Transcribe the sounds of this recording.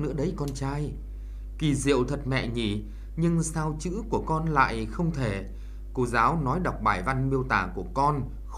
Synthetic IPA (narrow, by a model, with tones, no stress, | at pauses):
nɨ̰˧˥əɗə˨˦jkɔ˧nt͡ɕaː˧j | ki˨˩zḭ˧˨əwt̪ʰə˨˩t̚mɛ̰˧˨ɲi˧˩ | ɲɨ˧ŋsaː˧wt͡ɕɨ̰˧˥ku˧˩əkɔ˧nla̰ː˧˨jxə˧wŋ͡mt̪ʰe˧˩ | ko˧zaː˨˦wnɔ˨˦jɗa˨˩wk͡p̚ɓaː˧˩jva˧nmi˧əwt̪aː˧˩ku˧˩əkɔ˧n